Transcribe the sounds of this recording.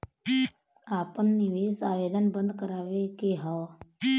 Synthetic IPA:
apənːiʋesaːʋed̪ənbə̃nd̪kəɾaːʋekeɦaʋ

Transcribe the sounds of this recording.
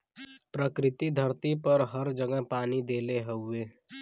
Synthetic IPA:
pɾəkɾɪt̪id̪ʱəɾt̪ipəɾɦəɾd͡ʒəɡəɦpanid̪eleɦəue

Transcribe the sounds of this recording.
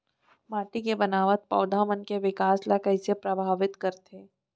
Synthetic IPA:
maːʈikebɐnaːʋət̪̚pɐ̰ːd̪ʱaːmənkeʋɪkaːslakɐɦɪsepɾɐbʱaːʋɪt̪kɐɾt̪eː

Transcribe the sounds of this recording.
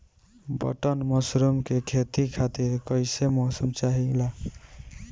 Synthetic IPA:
bʌ̰ʈənmɔsɾumkekʰet̪ikʰat̪iɾkʌjsemɔsumt͡ʃaɦila

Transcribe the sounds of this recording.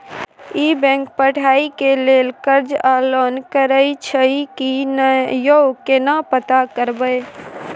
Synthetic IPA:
ibɛ̃ːŋk̚pəʈʰaːikeleːlkəɾd͡ʒalɔnkəɾəit͡ʃʰəikinjokenapət̪akəɾbəj

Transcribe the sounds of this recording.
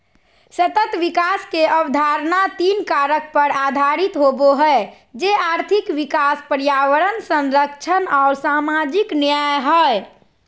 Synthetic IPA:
sət̪ət̪ʋikaskeəbd̪ʱaɾnat̪inkaɾək̚pəɾad̪ʱaɾit̪ɦoboɦɛe | d͡ʒeaːɾt̪ʰikʋikaspəɾjawəɾənsə̃nɾəkt͡ʃʰənɔːɾsamad͡ʒiknjajɦə

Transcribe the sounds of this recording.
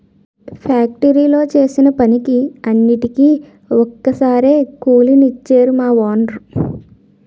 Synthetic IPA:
pʰaːk̚ʈɐɾiːlo̞ːt͡ʃe̞ːsinɐpɐnikiɐnːiʈikiː | ɔkːɐsaːɾeːkuːlinit͡ʃːeːɾumaːʋaːnɾu

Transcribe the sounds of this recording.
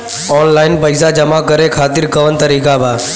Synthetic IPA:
ɔːnlaːɪnpəːsaːd͡ʒəmaːkəɾekʰaːt̪ɪɾkəʋənt̪əɾiːkabʱaː

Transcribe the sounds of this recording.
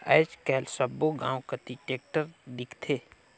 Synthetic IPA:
ə̰ːt͡ʃkɛːlsəboɡã̰ːwkət̪iʈeːk̚ʈəɾd̪ɪkʰt̪ʰeː

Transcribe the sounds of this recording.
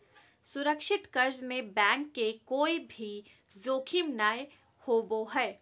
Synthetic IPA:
sʊɾəkʃɪt̪kɐɾd͡ʒmẽbɛ̃ːŋkːekoːibʱi | d͡ʒoːkʰimnaːj | hoːboɦɛː

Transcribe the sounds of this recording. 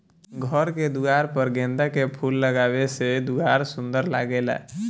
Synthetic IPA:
ɡʱəɾked̪uɡaːɾpəɾɡẽːnd̪akepʰuːlːəɡaːʋesed̪uɡaːɾsʊ̃nd̪əɾla̰ːɡeːla̰

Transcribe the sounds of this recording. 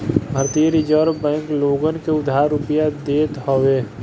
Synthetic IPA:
bʱəɾt̪ijeɾid͡ʒəːɾbɛ̃ːŋkloːɡənkeʊd̪ʱaːɾːʊpijad̪eːt̪hoʋeː

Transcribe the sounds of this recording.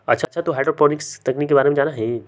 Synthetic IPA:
ɐ̰tːʃʰatːʃʰat̪oɦaːɪɖɾɔpɔnɪkst̪ɐknikːebaːɾemẽd͡ʒaːnaɦɛ̃ː

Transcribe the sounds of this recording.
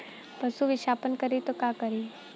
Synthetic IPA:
pəsuʋiʃaːpənkəɾit̪okaːkəɾi

